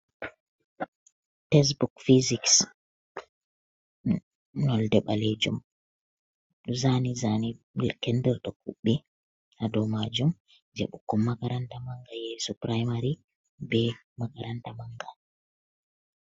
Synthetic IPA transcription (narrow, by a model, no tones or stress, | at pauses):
tɛs̬bukfiziks | nɔldɛɓaled͡ʒṵm | ɗzanizani | kɛndɛɾɗɔkuɓːi | ʔadɔmad͡ʒum | d͡ʒɛ̰ɓukːɔmːaɡaɾantamaŋɡajɛsupɾajmaɾi | bɛ | maɡaɾantamaŋɡa